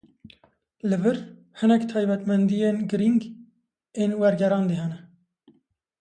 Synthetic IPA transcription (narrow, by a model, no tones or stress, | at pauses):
lɨvɨɾ | hɨnɛkt̪ʰɑːjbɛt̪mɛnd̪ijeːnɡɨɾiŋɡ | eːnwɛɾɡɛɾɑːnd̪eɦɛnɛ